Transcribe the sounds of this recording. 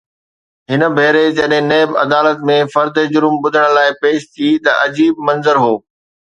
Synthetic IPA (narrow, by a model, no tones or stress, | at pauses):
ɦɪnə̆bʱeːɾed͡ʑɐɗɦɪ̃neːbɐ̰d̪aːlət̪mẽfɐɾd̪ed͡ʑʊɾmɓʊd̪ʱəɽ̃̆laːɪpeːʃt̪ʰit̪ɐʔɐd͡ʑiːb̚mɐ̃nzəɾɦoː